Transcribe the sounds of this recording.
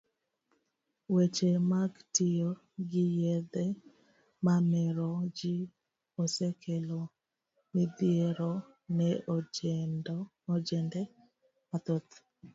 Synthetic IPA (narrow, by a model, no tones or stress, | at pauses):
wet͡ʃemaɡtijo | ɡɪjed̪ɛ | mamɛɾod͡ʒi | osekʰelo | mid̪jeɾo | nɛod͡ʒn | od͡ʒɛndɛ | mat̪ot̪